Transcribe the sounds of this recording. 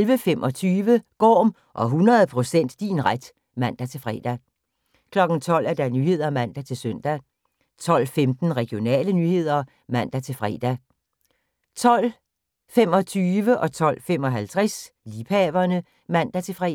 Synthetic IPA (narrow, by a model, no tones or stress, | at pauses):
elʋəfemʔɒ̽t͡sʰyːʋəɡ̥ɒ̰ːm | ʔɒ̽ɦunɐð̞ˠpʰʁo̝sen̰d̥ːinʁad̥ | mæn̰d̥æt͡sʰe̝lfʁɛ̰ːd̥æ | kʰlɒ̽ɡ̥n̩t͡sʰɒ̽l̰æɐd̥ænyːhe̝ð̞̰ˠɐmæn̰d̥æt͡sʰe̝lsøn̰d̥æ | t͡sʰɒ̽l̰femd̥n̩ʁɛɡ̥jo̝nɛ̰ːlənyhe̝ð̞̰ˠɐ | mæn̰d̥æt͡sʰe̝lfʁɛ̰ːd̥æ | t͡sʰɒ̽l̰ | fem̰ɒ̽t͡sʰyːʋəʔɒ̽t͡sʰɒ̽l̰fem̰ɒ̽ɦælt͡sʰʁɛsliːpʰɛʋɐnə | mæn̰d̥æt͡sʰe̝lfʁɛ